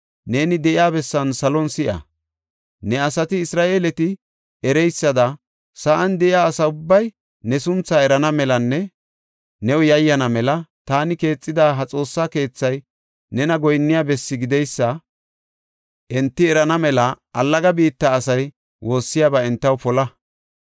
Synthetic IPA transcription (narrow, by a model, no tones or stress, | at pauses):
ne̞ːnɪd̪ɛʔɪaːbɛsːɐnsɐlɔnsɪʔɐ̰ | nɛɐsɐt̪ɪːsɾaːʔe̞ːlɛt̪ɪ | ɛɾɛjsːɐd̪ɐ | sɐʔɐnd̪ɛʔɪjaːsɐʊbːɐj | nɛsʊnt͡sːaɛɾɐnɐmɛlɐnːɛ | nɛwʊjɐjːɐnɐmɛlɐt̪aːnɪke̞ːt͡sʼːɪd̪aːɦɐt͡sʼo̞ːsːaːke̞ːt͡sːɐj | nɛnɐɡɔjnːɪjaːbɛsːɪɡɪd̪ɛjsːɐ | ʔɛnt̪ːɪɛɾɐnɐmɛlɐʔɐlːɐɡɐbiːt̪ːɐːsɐj | wo̞ːsːɪjaːbɐɛnt̪ːɐwpɔlɐ